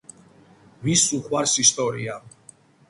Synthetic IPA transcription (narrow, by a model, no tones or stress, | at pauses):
visuχwaɾsist̪ʼɔɾḭa